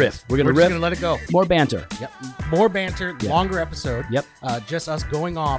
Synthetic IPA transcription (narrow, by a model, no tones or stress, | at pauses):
ɹɪfwɪɹɡʌnɨɹɪfʌnəlɛɾɨt̚ɡ̥oʊmɔɹbæ̃ntə̰˞jɛpmɔɹbæ̃ntʰə˞jɛlɔ̃ŋɡə˞ɛpəsoʊd̚jɛp̚d͡ʒʌstʌsɡ̥oʊɪ̃ŋɔ